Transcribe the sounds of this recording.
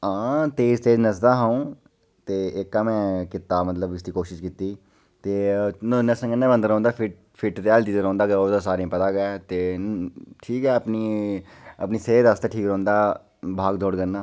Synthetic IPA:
ãːt̪eːɪst̪eːd͡ʒnəs̬d̪aːɦaũː | t̪eːɪkːaːmɛ̃ːkɪt̪aːmət̪ləbɪsd̪iːkoːʃɪʃkiːt̪iː | t̪eːnnəsə̃ŋɡənːeːbənd̪əɾɔ̃ːnd̪aːpʰɪʈ | pʰɪʈɾaːld̪iːd̪əɾɔ̃ːnd̪aːkːoːd̪as̬aːɾẽːpət̪aːɡɛːt̪eː | ʈʰiːkɛːəpniː | əpniːseeːd̪ast̪aːʈʰiːkɾõːnd̪aː | bʱaːɡd̪ʱoːɽɡənːaː

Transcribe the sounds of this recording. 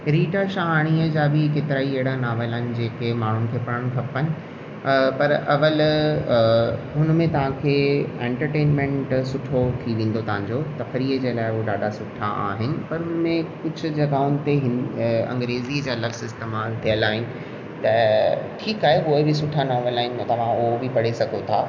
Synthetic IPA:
ɾiːʈaʃaɦaːɽ̃iːəd͡ʑaːbɪkeːt̪ɪɾaːieɦɪɽanaːʋəlaːɦɪnɪ̆d͡ʑeːkemaːɳ̤ʊnɪ̆kʰeːpɐɾəɽ̃kʰɐpənɪ̆ | pɐɾɐʋəl | ɦʊnəmẽt̪ɐʋ̤ãkʰeːẽːɳʈəɾʈeːnmẽɳʈsʊʈʰot̪ʰiʋẽːn̆d̪ot̪ɐʋ̤ãɲd͡ʑot̪ɐfəɾiːəd͡ʑeːlaːɪʊɦoɖaːɖasʊʈʰaʔa̰ːɦɪnɪ̆pɐɾɦʊnmẽkʊd͡ʑʱʊ̆d͡ʑɐɡaːʊnɪ̆t̪eɦɪɐ̰̃ŋɡɾeːzid͡ʑaːlɐksɪst̪eːmaːlt̪ʰijəlaːɦɪnɪ̆ | t̪ɐʈʰiːkaːɦeʊɦebɪsʊʈʰanaːʋelaːɦɪ̃nɪt̪ɐʋ̤ãʊɦobɪpɐɽesɐɡʱot̪ʰaː

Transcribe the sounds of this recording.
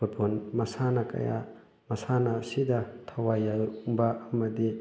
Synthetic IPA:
upʰonmɐsanɐkɐ̰ja̰ | mɐsanɐsidɐtʰɐwajaŋbɐːmɐdi

